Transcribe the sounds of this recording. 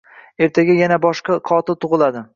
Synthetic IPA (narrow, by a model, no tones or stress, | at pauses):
e̞ɾt̪ʰaɡʲajanabɒʃqɑqʰɒt̪ʰɪt̪ʰʊʁɨlˠad̪ɪ